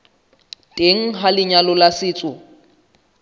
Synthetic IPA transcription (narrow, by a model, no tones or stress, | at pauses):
tʼeŋ̩ɦalɪɲalɔlasɪːt͡sʼʊ